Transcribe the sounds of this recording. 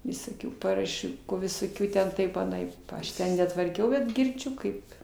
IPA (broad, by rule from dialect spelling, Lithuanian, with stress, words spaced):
ʋʲɪsoːˈkʲuː pɐrɐˈʃʲuː ʋʲɪsoːˈkʲuː tʲɛn ˈtɐɪp ɐˈnɐɪp pɐ ˈɐʃ ˈtʲɛn nʲɛtʋɐrʲˈkʲɛʊ bʲɛt ɡʲɪrʲˈd͡ʒʲʊ kɐɪp